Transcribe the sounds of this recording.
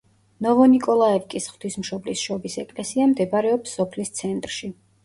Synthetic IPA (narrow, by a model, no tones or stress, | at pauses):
nɔvɔnikʼɔlˠaɛvkʼisχwt̪ʰismʃɔblisʃɔbisɛkʼlɛsiamd̪ɛbɾɛɔpsːɔpʰlist̪sʰɛnt̪ʼɾʃi